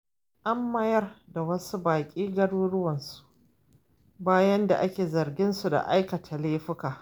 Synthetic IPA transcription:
ʔa˦mːɐ˦jɐ˦rda˨wɐ˦su˦baː˨kʲʼiː˦ɡɐ˦ɽuː˦ɽʊ˦wɐ˨nsu̥˨ʔ | baː˦jɐ˦nda̰˨ʔa˦kʲeː˨zɐ˨rɡʲɪ˦nsu˨da̰˨ʔa˦jkɐ˨tʰa˨leː˦ɸɪ˦kaː˨

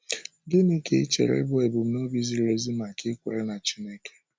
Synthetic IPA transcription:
ɡɪ˦ni˦ke˦i˦t͡ʃḛ˨ɾḛ˦bʊ˦e˨bʊ˨m̩˦no˦bi˦zi˦ɾe˦zi˦m˦a˨kɪ˦kʷḛ˨ɾe˦na˨t͡ʃi˦ne˦ke̥˦

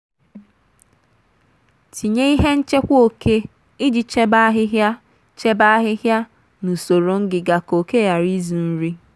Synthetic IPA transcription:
ti˨ɲe˦i˦ɦe˦n̩˦t͡ʃe˦kʷo˦kʰe˦ | i˦d͡ʒi˨t͡ʃe˦ba˦ɦɪ˦ɦja˦ | t͡ʃe˦ba˦ɦɪ˦ɦja˦ | nu˨so˨ɾo˨ŋ̩˦ɡɪ˨ɡa˨ko˨ke˦ja˨ɾi˦zu˨n̩˦ɾi˦

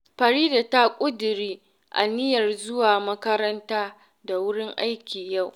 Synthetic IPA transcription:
ɸɐ˨ɾiː˦da˨ta˦kʷʼʊ˦dʊ˨ɾiː˦ | ʔa̰˨nɪ˦jɐ˨rzʊ˦waː˨mɐ˦kɐ˦ɾɐ˦ntaː˦ | da˨wʊ˦ɽɪ˦ŋʔa˦jkʲiː˨ja˦˨w

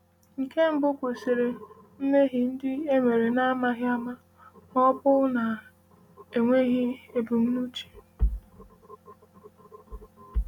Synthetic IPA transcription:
ŋ̩˨ke˦m̩˦bʊ˦kʷo˨si˨ɾe˨ | n̩˦ne˦ɦɪ˨n̩˦dɪ˦e˦ŋʷe˨ɾe˨na˦ma˦ɦɪ˦a˦ma˦ | ɔ˦bʊ˦na˨ | e˨ŋʷe˦ɣɪ˦e˨bu˨m̩˦nu˦t͡ʃi̥˨

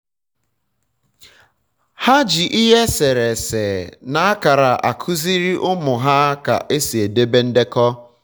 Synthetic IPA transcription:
ha˦d͡ʒi˨ʔi˦ɦe˦se˨ɾe˨se˨na˨a˦ka˨ɾa˨ʔa˨kʰʊ˦zi˦ɾi˦ʔʊ˦mʊ˨ɦa˦ka̰˨ʔe˦si˨e˨de˦be˦n̩˦de˦kɔ˦

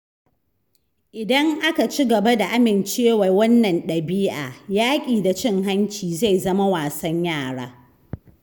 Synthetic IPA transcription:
ʔɪ˨dɐ˦ŋʔa˦ka˨t͡ʃi˦ɡɐ˨ba˦da˨ʔa˦mɪ˨nt͡ʃeː˦wa˨wɐ˦nːɐ˨nɗɐ˨biː˦ʔa̰ː˨jaː˦kʲʼiː˨da˨t͡ʃɪ˦˨ŋɦa˦nt͡ʃiː˨za˦˨jzɐ˦ma˦waː˨sɐ˦ɲjaː˦˨ɽa̰ː˦

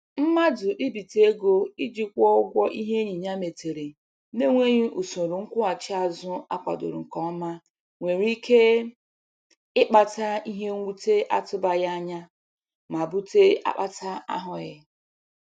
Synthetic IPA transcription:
m̩˦ma˦dʊ˨ʔi˦bi˨te˨˦e˦ɡo˦ɪ˦d͡ʒi˦kʷɔ˦ʊ˦ɡʷɔ˦ʔi˦ɦe˦ɲi˨ɲa˦me˨te˨ɾi˨ | ne˦ŋʷe˦ɲi˦ʔu˨so˨ɾʊ˨ŋ̩˦kʷʊ˦a˨t͡ʃɪ˦a˨zʊ˦a˦kʷa̰˨dʊ̰˨ɾʊ̰˨ŋ̩˨kɔ˦ma˦ | ŋʷe˨ɾi˦kʰe˦ | ɪ˦k͡pa˨ta˦i˦ɦe˦ŋʷu˦te˦ʔa˦tʊ˦ba˨ja˦a˦ɲa˦ | ma˨bu˦te˦a̰˦k͡pa˦tʰa˦a̰˦ɦʊ˨ɣɪ˦

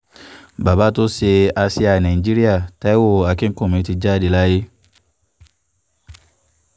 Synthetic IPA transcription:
ba˨ba˨˦to˦se˧a˧si˧a˨nã˨i˨d͡ʒi˦ɾi˦a˦˨tɛ˦wo˦˨a˨˧kĩ˦ŋ̩˦kõ˦˨mĩ˨˦ti˧d͡ʒa˦di˧˨la˦je˦

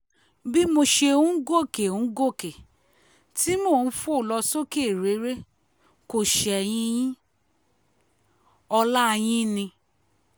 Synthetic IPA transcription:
bi˦mo˧ʃe˧ũ˦ɡo˦˨ke˨ũ˨˦ɡo˦˨ke˨ | ti˦mo˦˨n̩˦fo˦˨lɔ˧so˦ke˦˨ɾe˨˦ɾe˦ | ko˨ʃɛ˨j̃ĩ˧˦jĩ˦ | ɔ˧la˦˧j̃ĩ˦nĩ˧

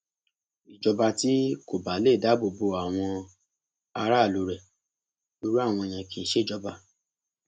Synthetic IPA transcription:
i˨d͡ʒɔ˧ba˧ti˦ko˨ba˨˦le˦˨da˨˦bo˨bo˧a˨w̃ɔ̃˧ | a˧ɾa˦˨lo˨˧˦ɾɛ˨ | du˧˦ɾu˦a˦˨w̃ɔ̃˧e˧j̃ã˧kĩ˧˨˦ʃe˦˨d͡ʒɔ˧ba˧

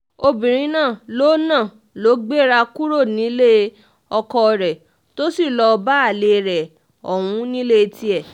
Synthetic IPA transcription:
o˧bĩ˨ɾ̃ĩ˧˦nãː˦˨lo˦nãː˦˨ | lo˨˦ɡ͡be˦ɾa˧ku˦ɾo˦˨nĩ˨˦le˦ | ɔ˧kɔ˧ɾɛ˨ | to˦si˦˨lɔ˧ba˦a˦˨le˧ɾɛ˨ | ɔ˨w̃ũ˨˦nĩ˦le˦˧ti˧˦ɛ˦˨

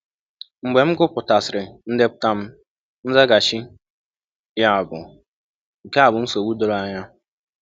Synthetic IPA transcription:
ŋ͡m̩˨ɡ͡be˨m̩˦ɡʊ˦pʊ˨ta˨sɪ˨ɾɪ˨n̩˦de˦pʊ̥˦ta˦m̩˦ | n̩˦za˦ɡa˨t͡ʃi˦ | ja˦˨bʊ˨ | ŋ̩˨ke˦a˨bʊ˨n̩˦so˨wu˦do˨ɾa˦˨ɲa˦

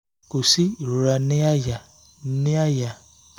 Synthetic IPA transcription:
ko˨si˦i˨ɾo˨ɾa˧nĩ˦a˦ja˨˦ | nĩ˦a˦ja˨

